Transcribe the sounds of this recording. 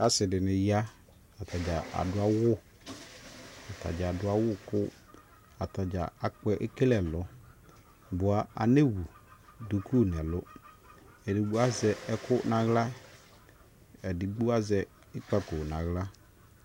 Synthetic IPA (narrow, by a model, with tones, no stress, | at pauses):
a˦sɪ˨dɪ˨nɪ˨ja˦ | a˨ta˨d͡ʒa˨a̰˨dʊ˦a˦wʊ˦ | a˨ta̰˨d͡ʒa˨a˨dʊ˦a˦wʊ˦kʊ˦ | a˨ta˨d͡ʒa̰˨a˨k͡pɛ˦ʔe˦ke˦lɛ˨lʊ˦ | bʊ˨a˨a̰˨ne˦wu˨du˨ku˦˨n˨ɛ˨lʊ˦ | ɛ˨dɪ˨ɡ͡bu˦a˦zɛ˨ɛ˦kʊ˦na˨ɣla˦ | ɛ˨dɪ˨ɡ͡bu˦a˦zɛ˨ | ɪ˦k͡pa˦kʊ˨na˨ɣla˦